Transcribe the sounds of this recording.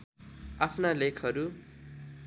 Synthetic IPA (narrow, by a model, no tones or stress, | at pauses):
apʰnalekʰʌɾu